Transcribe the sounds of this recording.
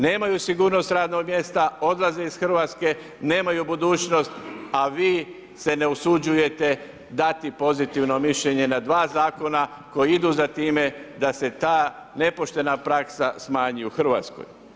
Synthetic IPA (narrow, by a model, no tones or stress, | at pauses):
ne̞ːmajusiɡuːɾno̞st̪ɾaːd̪no̞ɡmʲje̞st̪ao̞d̪lˠazeisxrɾ̩ʋaːt̪ske̞ | ne̞ːmajubud̪uːt͡ɕno̞st̪aʋiː | se̞ne̞usud͡ʒuje̞t̪e̞ | d̪at̪ipo̞zit̪iʋno̞miʃʎe̞ɲe̞nad̪ʋaːzaːko̞na | ko̞jiid̪uzat̪iːme̞d̪ase̞t̪aː | ne̞po̞ʃt̪e̞napɾaksasmaːɲijuxr̩ʋa̰ːt̪sko̰j